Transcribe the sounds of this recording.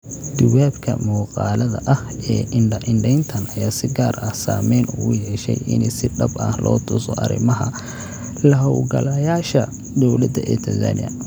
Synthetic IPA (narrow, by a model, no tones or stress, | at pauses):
d̪̥ʊwaːbkʰɐ̰mɔːqɑːlɐðɐʔɐhɛːʔɪɳɖɛjnt̪ʰɐnɐjaːsɪɡaːrɐsa̰ːmɛjnʊʊjɛʃɛ̰jʔɪ̰nɪsɪɖɐbaːhlʔɔːt̪ʰʊsɔʔɐ̰ɾɪ̰mɐɦɐ | lɐɦɐwlɡɐ̰lɐjaːʃɐ | d̪ɔwlɐd̪ɐʔɛt̪ʰɐzɐ̰nɪ̰ɐ